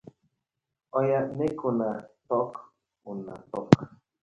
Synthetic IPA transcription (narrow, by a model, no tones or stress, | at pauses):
ojanekunat̪ok | una̰t̪ok